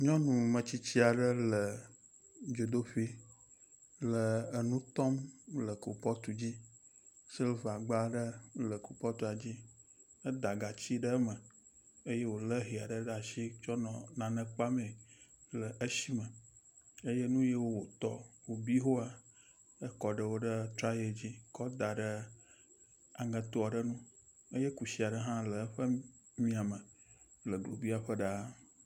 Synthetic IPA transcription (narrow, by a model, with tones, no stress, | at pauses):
ɲɔ̃˦nũ˨mə̃˨t͡ɕi˦t͡ɕi˦a˨ɖə˦lə˨ | d͡ʒo˨d̪o˦ɸi˦ | lə˨ə˨nũ˦t̪ɔ˦mlə˨ku˨pɔ˦t̪u˨d͡ʑi˦ | si˦lva˨ɡ͡ba˦ɖə˦lə˨ku˨pɔ˦t̪u˨a˨d͡ʑi˦ | ə˦d̪a˨ɡa˨t͡ɕi˦ɖə˦mə˨ | e˦je˦wo˨lə˦ɦi˨a˨ɖə˦ɖa˨ʃi˦t͡ʃɔ˦nɔ̃˨nã˨nə̃˨k͡pa˦mẽ˨ | lə˨ʔə˦ʃi˦mə̃˨ | e˦je˦nũ˦je˦wo˦wo˨t̪ɔ̰˦wo˨bi˦ɦo˦a˨ | ə˦kɔ˨ɖə˨wo˦ɖə˦t̪ɾa˦je˨d͡ʑi˦kɔ˦d̪a˨ɖə˦ | a˨ŋə̃˨t̪o˦a˨ɖə˦nũ˦ | ə˦je˦ku˨si˦a˨ɖə˦ɦã˦lə˨˦ɸə˦ | mĩ˦a˨mə̃˨ | lə˨ɡlo˨bi˦a˨ɸə˦ɖa˦